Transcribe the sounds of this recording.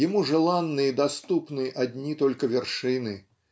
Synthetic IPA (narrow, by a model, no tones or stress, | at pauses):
jamuʐɨlˠanːɨjɐd̪ast̪upnɨʔad̪ʲnʲit̪ɔlʲkɐvʲɛrʂɨnɨ